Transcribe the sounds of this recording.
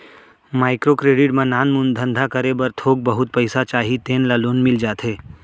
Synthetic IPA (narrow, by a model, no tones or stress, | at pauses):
maːɪkɾokɾeːɖɪʈmẽnaːnmʊ̃nd̪ʱə̃nd̪ʱakəɾebɐɾt̪ʰoːɡ̚bɐɦʊt̪̚pəɪsat͡ʃaːɦit̪eːnlaloːnmɪld͡ʒaːt̪ɦeː